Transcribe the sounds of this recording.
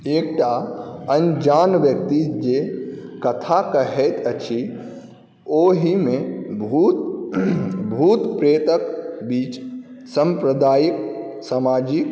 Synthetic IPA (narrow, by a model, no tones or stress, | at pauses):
ek̚ʈaənd͡ʒanʋjəkt̪id͡ʒekət̪ʰakəɦɛt̪ət͡ʃʰi | oɦimẽbʱut̪ | bʱut̪pɾet̪əkbiːt͡ʃsə̃mpɾəd̪aːjiksamad͡ʒik